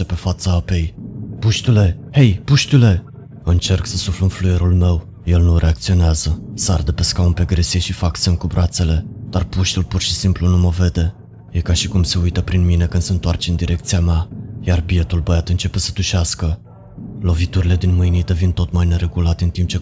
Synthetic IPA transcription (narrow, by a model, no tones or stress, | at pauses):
epe̞fat̪saape̞jpuʃt̪ule̞he̞jpuʃt̪ule̞ | ɨnt͡ʃe̞rksəsuflɨnfluje̞ɾulme̞w | je̞lnurʔe̞ak̚t̪sio̞neazəsard̪əpe̞skaunpe̞ɡɾesijeʃifaksemkubɾʔat̪se̞le̞d̪̥arpuʃt̪ulpurʃi̥simplunuməve̞d̪e̞ | jekaʃikumse̞ujt̪əpɾinmine̞kɨnd̪səɨnt̪oart͡ʃeɨnd̪iɾʔe̞k̚t̪sijameajarbie̞t̪ulbəjat̪ɨnt͡ʃe̞pe̞səd̪uʃeaskə | lo̞vit̪uɾile̞d̪inmɨjnit̪əvint̪o̞t̪majne̞ɾe̞ɡulat̪eɨnt̪imp̚t͡ʃe̞